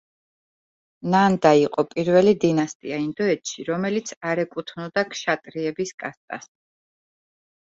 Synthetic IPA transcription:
nand̪aiqʼɔpʼiɾvɛlid̪inast̪ʼḭaind̪ɔɛt̪ʃiɾɔmɛlit̪sʰaɾɛkʼut̪ʰnɔd̪akʰʃat̪ʼɾiɛbiskʼast̪ʼa̰s

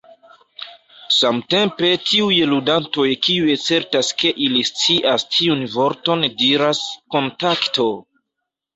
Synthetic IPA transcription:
samte̞mpe̞tʰiujludanto̞jkiujet͡se̞ɾtaske̞ʔilist͡siʔastʰiunvo̞ɾto̞ndiɾasko̞ntakto

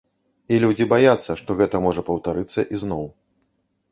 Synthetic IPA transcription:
ilʲud͡zʲibajat̪sːɐʂt̪ɔɣɛt̪ɐmɔʐɐpɐwt̪aɾɨt̪sːɐʔiznɔw

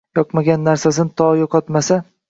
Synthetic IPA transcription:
jɒqmaɡʲanːaɾsas̬ɪnɪt̪ʰɒjoqʰɒt̪masa

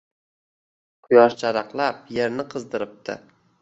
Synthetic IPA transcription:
qʰʊjɒʃt͡ʃʰaɾɑqlˠapje̞ɾnɪqʰɨzd̪ɪɾɪp̚t̪ʰɪ̰

